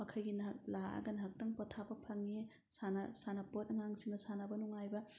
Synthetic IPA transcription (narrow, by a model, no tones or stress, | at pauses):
mɐkʰɐjɡink̚laa̰ɡɐnɐɦɐk̚tɐŋpɔtʰabɐpʰɐŋːi | sanɐsanɐpot̚ɐŋaŋsiŋnɐsanabɐnuŋajbɐ